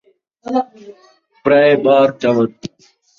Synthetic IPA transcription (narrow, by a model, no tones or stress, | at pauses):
pɾaːeɓaːɾt͡ʃaʋət̪̚